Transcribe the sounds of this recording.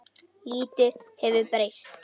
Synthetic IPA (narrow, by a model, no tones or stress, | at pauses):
liːt̪ʏhɛvʏpɾejst̪